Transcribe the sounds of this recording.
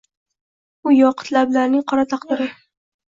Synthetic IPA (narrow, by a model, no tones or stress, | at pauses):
ʊjɒqʰɨ̥t̪lablaɾnɪŋqʰɒɾat̪ʰɑqd̪ɪɾɪ